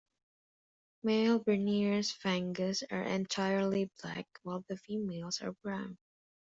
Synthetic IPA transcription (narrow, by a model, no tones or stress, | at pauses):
meɪlˠbə˞niɹz̥fæ̃ŋɡəzə̰˞ʔɨ̰̃ntʰaɪə˞liblæ̰kwaɪlˠðəfimeɪlˠzə̰˞bɹãʊ̃n